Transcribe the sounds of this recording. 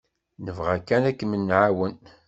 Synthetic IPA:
nəvʁækːænækːmənːʕawən

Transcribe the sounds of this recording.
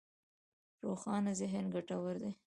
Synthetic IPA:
ɾoxɑnazɪɦənɡaʈawəɾd̪e

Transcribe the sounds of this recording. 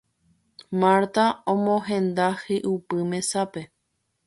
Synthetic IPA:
maɾt̪aõmõɦẽ̞nd̪ahiʔupɨmẽ̞sape̞

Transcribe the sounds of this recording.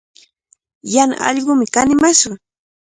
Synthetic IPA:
jana̰ɑ̰ʎɢʊmɪkanɪmaʃʊ

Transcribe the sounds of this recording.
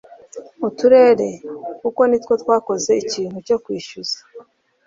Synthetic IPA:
utuɾe̞ːɾe̞kuko̞nitwo̞twaːko̞ze̞iciːn̥huco̞kwiːʃuz̥ḁ

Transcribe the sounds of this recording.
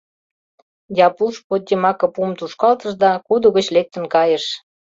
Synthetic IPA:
jɑpuʃpot̪̚ʲdʲemɑkɤ̆pumt̪uʃkɑlt̪əʃd̪ɑkud̪oɣət͡ɕlek̚t̪ə̆nkɑjəʃ

